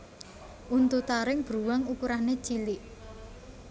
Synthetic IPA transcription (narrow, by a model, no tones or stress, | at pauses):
ʔunt̪ut̪aɾɪŋb̥ɾuwaŋukuɾahnet͡ʃiliʔ